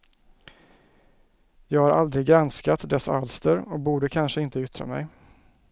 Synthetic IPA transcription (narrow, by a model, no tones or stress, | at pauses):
jɑːɡhaɾʔa̰ld̪ɾɪɡːɾanskat̪d̪ɛsalst̪əɾɔk̚buːɖəkʰanʂəɪnt̪əʏt̪ːɾa̰mɛ̰j